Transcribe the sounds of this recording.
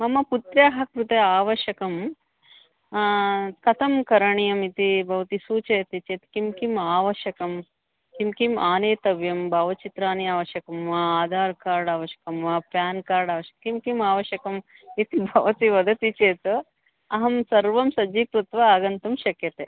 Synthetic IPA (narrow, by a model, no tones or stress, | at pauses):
mɐmɐput̪ɾaːɦɐkɾut̪eaːʋɐʃɐkɐm | kɐt̪ʰɐmkɐɾɐɳijɐmit̪ibʱɐʋɐt̪isuːt͡ʃɐjɐt̪it͡ʃeːt̪kimkimaːʋɐʃɐkɐm | kimkimaːneːt̪ɐʋjɐmbʱaːʋɐt͡ʃit̪ɾaːniaːʋɐʃɐkɐmʋaaːd̪ʱaːɾkaːɾɖaːʋɐʃɐ̥kɐmʋɐpjaːnkaːɾɖaːʋɐʃɐ̥kkimkimaːʋɐʃɐkɐm | it̪ibʱɐʋɐt̪iʋɐd̪ɐt̪it͡ʃeːt̪ | ɐɦɐmsɐɾʋɐmsɐd͡ʒikɾut̪ʋɐaːɡɐnt̪ɐmʃɐkjɐt̪eː